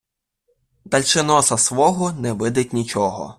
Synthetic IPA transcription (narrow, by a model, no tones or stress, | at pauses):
d̪ɐlʲt͡ʃɪnɔsɐsʋɔɦɔnɛʋɪd̪ɪt̚ʲnʲit͡ʃɔɦɔ̰